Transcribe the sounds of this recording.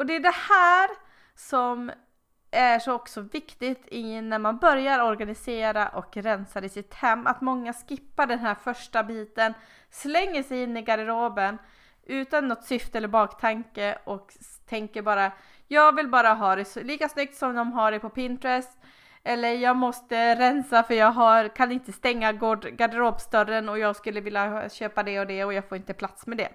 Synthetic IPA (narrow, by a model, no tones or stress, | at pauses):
ɔd̪ɛːɖɛhæːɾ | sɔm | ʔæʂɔɔksɔvɪkt̪ɪt̪ʰɪnæɾmanbœɾjaɾɔɾɡanɪseːɾaʔɔkɾɛnsaɾɪsɪt̪hɛmːa̰t̪mɔŋːaskɪpːaɖɛnɦæɾfœʂʈabiːt̪ən | slɛŋːəʂɛjɪnːɪɡaɾɪɾoːbən | ʔʉ̟ːt̪anːɔt̪sʏft̪əɛlːəɾbɑːkt̪ʰaŋkəʔɔk | t̪ʰɛŋkəɾbɑːɾa | jɑːɡvɪlbɑːɾaɦɑːd̪ɛsliːkasnʏk̚t̪sɔmd̪ɔmɦaɖɛpʰɔpɪnt̪ɾɛst̪ | ɛlːəɾjɑːɡmɔst̪əɾɛnsafœɾjɑːɡɦaɾkʰanɪnt̪əst̪ɛŋːaɡoːɖɡad̪ɪɾoːbst̪œɾənɔjɑːɡskɵlːəvɪljaɕøːpad̪ɛɔd̪ɛɔjɑːɡfoːɾɪnt̪əpʰlat̪smɛd̪ɛ̰